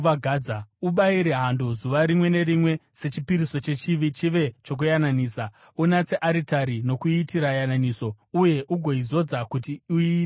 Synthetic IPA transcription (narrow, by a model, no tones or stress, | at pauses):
aɡʱaːd͡zauɓaiɾeɦandozuʋaɾimwe̞ne̞ɾimwe̞se̞t͡ʃipiɾiso̞t͡ʃe̞t͡ʃiʋit͡ʃiʋe̞t͡ʃo̞k̬ujananiːsa | unat͡se̞ʔaɾitaɾino̞kuitiɾajananiːso̞ | uje̞ʔuɡʱo̞izo̞d͡zakutiui